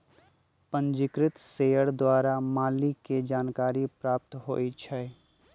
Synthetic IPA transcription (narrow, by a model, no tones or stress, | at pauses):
pə̃nd͡ʒɪkɾɪt̪seːəɽd̪waːɾamaːliked͡ʒaːnkaːɾipɾaːp̚t̪ɦo̰ːit͡ʃʰɛː